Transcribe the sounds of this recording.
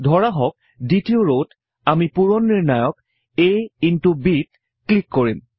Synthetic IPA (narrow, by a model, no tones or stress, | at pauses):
dʱɔɹaɦɔk̚ | ditioɹot | amipuɹɔnːiɹnajɔk | ejintubit̚ | klikːoɹim